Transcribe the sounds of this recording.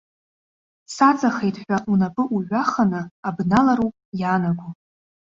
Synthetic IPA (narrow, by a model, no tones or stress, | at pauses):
sat͡sʼaχejtʼħʷᶣaʔunapʼɨʔuʕʷaχanɨabnalaɾupʼjaːnaɡʷu